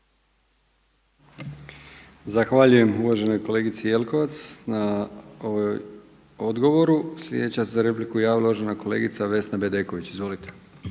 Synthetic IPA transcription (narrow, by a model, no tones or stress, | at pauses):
zaxʋaʎuje̞muʋaʒe̞no̞jko̞le̞ɡit̪sije̞lko̞ʋat̪snaoʋoj | od̪ɡo̞ʋo̞ɾuslʎʲjed̪et͡ɕasezaɾe̞p̬likujaʋlˠoʒenako̞leːɡit̪saʋe̞snabe̞d̪eko̞ʋit͡ɕizʋo̞lit̪e̥